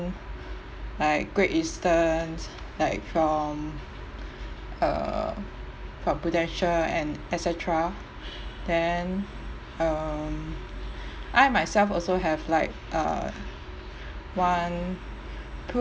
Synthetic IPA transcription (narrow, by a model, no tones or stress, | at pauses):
laɪk̚ɡ̥ɹeʔĩstəns | laɪk̚fɹɔ̃m | ʌ̰ | fɹɔ̃mpɹutɛ̃nʃəlɛ̰̃nɛsɛtʰɹa | d̥ɛn | ʌm | ʔaɪmaɪsɛlfɔlsoɦɛvlaɪk̚ʔʌ̰ | wãn | pʰu